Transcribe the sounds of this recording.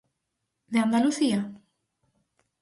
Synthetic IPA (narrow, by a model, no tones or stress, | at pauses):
ðeand̪aluθia